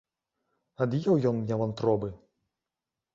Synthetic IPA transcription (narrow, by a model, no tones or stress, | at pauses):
ɐd̪jɛwjɔnmnʲavɐnt̪ɾɔbɨ